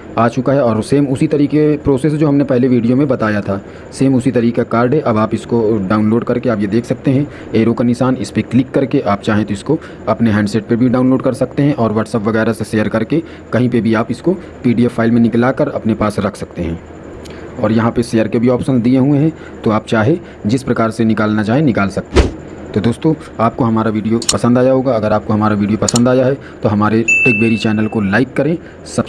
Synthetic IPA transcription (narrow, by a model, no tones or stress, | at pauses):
aːt͡ʃʊkaɦɛɔːɾseːmʊsit̪ɐɾiːkepɾoːseːs̬d͡ʒoːɦɐmnepɛɦleʋiːɖijomẽbɐt̪aːjat̪ʰaː | seːmʊsit̪ɐɾiːkakaːɾɖɦɛʔɐbaːpɪskoɖaːʊ̃nloːɖkɐɾkeaːpjed̪eːkʰsɐk̚t̪eɦɛ̃ | eːɾokanɪsaːnɪspeklɪkːɐɾkeʔaːp̚t͡ʃaːɦẽt̪oɪsko | ɐpneɦɛ̃ːɳɖseːʈ̚pebʱiɖaːʊ̃nloːɖkɐɾsɐk̚t̪eɦɛ̃ʔɔːɾʋɐːʈsəpʋɐɣɛːɾaseʃeːjəɾkɐɾke | kɐɦĩpebʱiaːpɪsko | piːɖiɛfʰaːɪlmẽnɪklaːkəɾɐpnepaːsɾɐkʰsɐkt̪eɦɛ̃ː | ɔːɾjɐɦãpeʃeːjəɾkebʱiɔːpʃənd̪ieɦuẽɦɛ̃ː | t̪oaːp̚t͡ʃaːɦe | d͡ʒɪspɾɐkaːɾsenɪkaːlnat͡ʃaːɦienɪkaːlsɐk̚t̪eɦɛ̃ː | t̪od̪oːst̪õː | aːp̚koɦɐmaːɾaʋiːɖijopɐsə̃nd̪aːjaɦoːɡaɐɡəɾaːp̚koɦɐmaːɾaʋiːɖijopɐsə̃nd̪aːjaɦɛ | t̪oɦɐmaːɾeʈɪkbeːɾit͡ʃɛːnəlkolaːɪkːɐɾẽː | sɐb